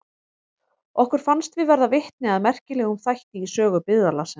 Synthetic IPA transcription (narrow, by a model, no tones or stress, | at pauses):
ɔhkʏɾ̥fanst̪vɪðvɛɾðavɪht̪̚nɪaðmɛr̥cɪlɛːɣʏmθajht̪ɪisœːɣʏpɪððalasɛ